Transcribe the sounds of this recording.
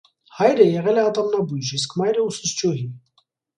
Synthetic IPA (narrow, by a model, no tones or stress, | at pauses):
hɑjɾəjɛʁɛlɛɑt̪ɑmnɑbujʒis̬kmɑjɾəusəst͡ʃuɦi